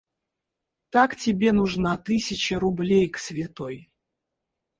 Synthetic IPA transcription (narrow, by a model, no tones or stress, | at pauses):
t̪aktʲɪbʲenʊʐnat̪ɨsʲɪt͡ɕəɾʊblʲejksvʲɪt̪oj